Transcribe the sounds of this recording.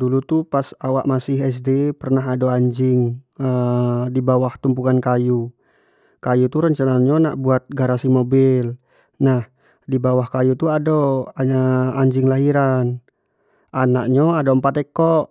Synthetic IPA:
dulut̪upasawaʔmasɪɦɛs̬depərnaɦadoaɲd͡ʒɪŋədibawaht̪umpukankaju | kajut̪uɾəɲt͡ʃanaɲona̰ʔbuat̪̚ɡaɾasimobɪl | nah | dibawahkajut̪uadoaaɲd͡ʒɪŋlaɦiɾan | ʔanaʔ̚ɲoadoəmpat̪ɛkɔʔ

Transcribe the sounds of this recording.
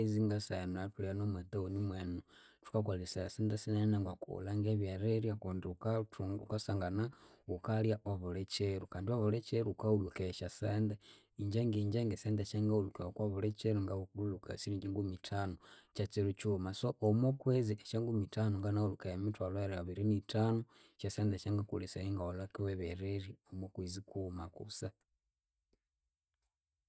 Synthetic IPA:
ziŋɡasanoatulianomweteonimweno | tu̥kakwalisaseːndesinanaŋɡwakṵlaŋɡeβjaɾeɾjakundiukatukasaːŋɡanaukaljaʔoβolet͡ʃeɾukaːndioβolet͡ʃeɾuːkaulukeʃasende | iɲd͡ʒeŋɡiːɲd͡ʒeŋɡeseːndeʃeŋɡaulukeokwaβulet͡ʃeɾuŋɡaukuulukasiɾiɲd͡ʒiŋɡumitʰanot͡ʃat͡siɾut͡ʃumasoʔomokweziʔeʃaŋɡumitʰanoŋɡanaulukajemitwaloeɾiaβiɾinitʰano | ʃaseːndeʃeŋɡakṵliseɾiŋɡaolakiweβeɾeɾiomokwizikumakṵsa

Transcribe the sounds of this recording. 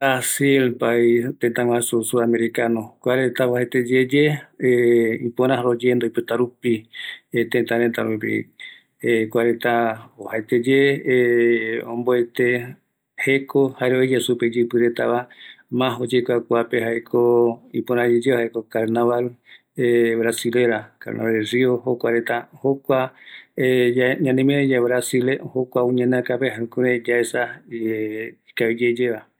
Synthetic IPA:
asilpait̪ent̪ãŋw̃ãsusuameɾikanokʷaɾet̪aβohat̪ed͡ʒed͡ʒe | ipoɾãɦɾod͡ʒend̪oipɨt̪aɾupit̪ẽnt̪ãɾet̪aɾupḭ | kʷaɾet̪aohaet̪ed͡ʒe | õmboet̪e | hekʰohaeɾoed͡ʒasuped͡ʒɨpɨɾet̪aβamãɦod͡ʒekʷakʷapeɦaekʰoipoɾãd͡ʒed͡ʒehaekokaɾnaβal | eβɾasile̞ɾaka̰ɾna̰βalriohokʷaɾet̪ahokʷaeɲãnẽmẽd͡ʒeβɾasilehokʷaũɲẽnãkapeɦaũkuɾed͡ʒaesa | ikaid͡ʒed͡ʒeβa

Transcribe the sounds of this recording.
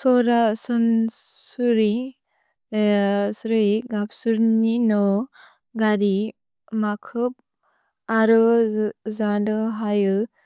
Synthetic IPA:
sɔɾasɔnsuɾi | sɾɯjɡapsuɾninɔ | ɡaɾi | makʰɯp̚ | aɾɯ | zadɯɦajɯ

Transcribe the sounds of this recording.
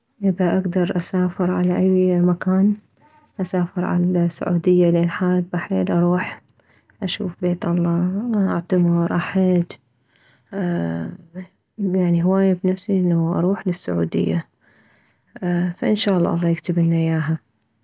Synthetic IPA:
ʔɪðaʔaɡd̪ɑɾˤʔasaːfɪɾʕa̰laʔajmakaːn | ʔasaːfɪɾʕa̰lasːʊ̰ʕṵːd̪ɪjːalʔeːnħaːl̚baħeːlʔɑɾˤuːħ | ʔaʃuːfbeːt̪ʔɑlˤːɑːʔaʕt̪amɑɾˤʔaħɪd̪ | jaʕniɦʊwaːjabnafsiʔɪnːaʔɑ̰ɾˤuːħlɪsːʊʕṵːd̪ɪ̰jːa | faʔɪnʃaːʔɑlːɑ̰ːʔɑlˤːɑːjɪkt̪ɪbɪnːajaːɦa

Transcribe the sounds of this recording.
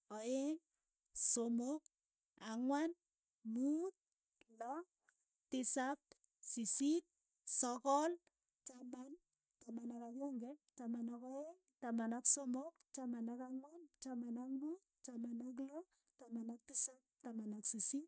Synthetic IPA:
ɔeŋ | somok | aŋwan | mut̪̚ | lɔ | tɪsap̚ | sisit̚ | sɔkɔl | t͡ʃaman | tamanakakeŋɡɛtamanakɔeŋtamanaksomokt͡ʃamanakaŋwant͡ʃamanakmutt͡ʃamanak̬lɔ | tamanak̚tisap̚tamanaksisit̚

